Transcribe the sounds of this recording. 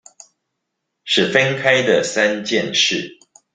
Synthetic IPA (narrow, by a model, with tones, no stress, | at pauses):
ʂɻ̩˥˩fə˦nkʰa˦˥ɪd̪ə˨sa˦nt͡ɕjɛ˥˨nʂɻ̩˥˨